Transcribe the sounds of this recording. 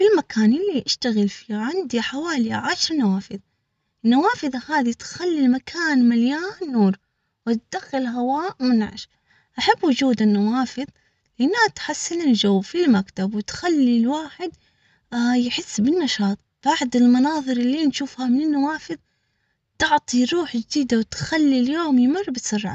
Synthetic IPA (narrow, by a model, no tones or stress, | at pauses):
filmakaːnʔɪlːiʔaʃt̪aɣɪlfiːaʕɪnd̪iħawaːliʕaʃɾˤnawaːfɨðˤ | nːawaːfɨðˤɑhaːðit̪xalːilmakʰaːnmaljaːnːuːɾˤ | wɪt̪d̪̥axːɪlɦawaːʔmɪnʕa̰ʃ | ʔaħabːwʊd͡ʒuːd̪ɪnːawaːfɨðˤ | lɪʔanːat̪ħasːɪnɪld͡ʒawːfilmakt̪abwɪt̪xalːilwaːħɪd̪ | jħɪsːbɪnːɑʃɑːt̪ˤb̥aʕd̪ɪlmɑnɑːðˤɨɾɪlːiːnʃuːfhamɪnɪnːawaːfɨðˤ | t̪ɪʕt̪ˤiɾˤuːħd͡ʒd̪iːd̪awt̪xalːiljoːmjmɪrːbɪt̪sˤɨrˤːʕa̰